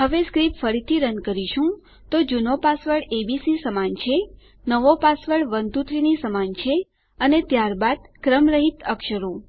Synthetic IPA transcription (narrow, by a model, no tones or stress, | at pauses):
ɦəʋeskɾipfəɾit̪ʰiɾənkəɾiʃũ | t̪od͡ʒunopasʋəɭebisisəmant͡ʃʰe | nəʋopasʋəɭʋənd̪ut̪ɾinisəmant͡ʃʰe | ənet̪jaɾbad̪kɾəmɾəɦit̪əkʃəɾo